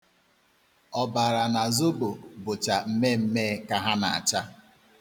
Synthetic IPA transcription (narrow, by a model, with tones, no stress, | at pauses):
ɔ˨ba˨ɾa˨na˨zo˦bo˨bʊ˨t͡ʃa˨m̩˦me˦m̩˦me˦ka˦ɦa˦na̰˨a̰˨t͡ʃa˦